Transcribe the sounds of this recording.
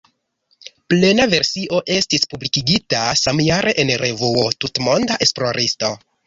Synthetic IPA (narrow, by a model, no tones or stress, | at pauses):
ple̞nave̞ɾsiʔo̞ʔe̞stispublikiɡitasamjaɾe̞ʔenɾʔe̞vuotutmo̞ndaʔe̞splo̞ɾisto̞